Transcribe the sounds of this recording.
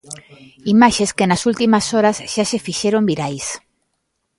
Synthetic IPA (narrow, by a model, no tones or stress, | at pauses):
imaʃeskenasult̪imasoɾazʃasefiʃeɾombiɾajs